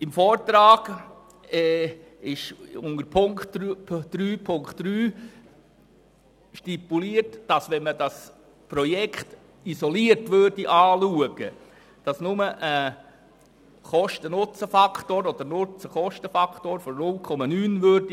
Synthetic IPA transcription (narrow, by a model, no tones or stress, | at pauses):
ɪmfɔːɾtɾɑːɡ̥ | ɛ | ɪʃʊŋəɾpʰʊŋktʰd̥ɾyːpʰʊŋktɾyː | ʃtipuliəɾtd̥ɑsʋɛnmədɑs | pɾɔjɛkχt | isɔliəɾtʋøːɾdiʔɑːluəɡə | d̥ɑsnʊməʔə | χɔʃtənʊt͡səfɑkʰtoːɾɔd̪əɾnʊt͡səχɔʃtəfɑkʰtoːɾfɔɾnʊlkʰɔmɑnyːnʋøɾd̥i